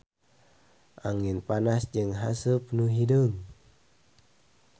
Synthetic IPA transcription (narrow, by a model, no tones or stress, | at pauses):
ʔaŋinpanasd͡ʒɨŋɦasəpnuɦidəŋ